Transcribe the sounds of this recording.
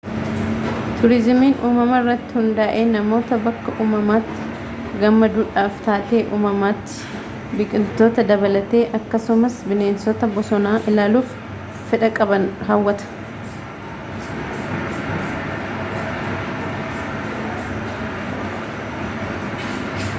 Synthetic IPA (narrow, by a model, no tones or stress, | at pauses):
t̪ʊɾɪzmiːnʔuːmɐmɐɪrːɐt̪ːɪ̥hʊnd̪aːʔe̞ːnɐmo̞ːt̪ɐbɐkːɐʔuːmɐmaːt̪ːɪ̥ | ɡɐmːɐd̪uːᶑaːft̪aːt̪e̞ːʔuːmɐmaːt̪ːɪ̥ | bɪkʼɪlt̪o̞ːt̪ɐd̪ɐbɐlɐt̪e̞ːʔɐkːɐsʊmɐsbɪne̞ːnsɔt̪ɐbɔsɔnaːʔɪlaːluːfː | ɪᶑɐkʼɐbɐnɦawːɐt̪ɐ̥